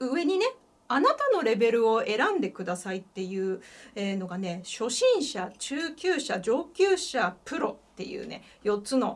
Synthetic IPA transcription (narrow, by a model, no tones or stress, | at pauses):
ɯ̟e̞ɲ̟ine̞ | anat̪ano̞ɾe̞be̞ɾɯ̟o̞e̞ɾãnd̪e̞kɯ̟d̪asait̪ːe̞jɯ̟ːeːno̞ɡane̞ɕo̞ɕĩɰ̃ɕat͡ɕɨːkʲɨːɕad͡ʑo̞ːkʲɨːɕapɯ̟ɾo̞t̪ːe̞jɯ̰ːne̞̰ | jo̞t͡sɨno̞